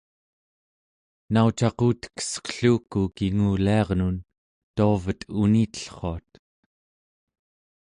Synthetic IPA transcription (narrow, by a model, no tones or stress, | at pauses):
naut͡ʃɑquːt̪ə̥kə̥sʌ̥qɬuːkukiŋuːliɑʁnun | t̪oːvət̪uniːt̪ə̥ɬχo̞at̪̚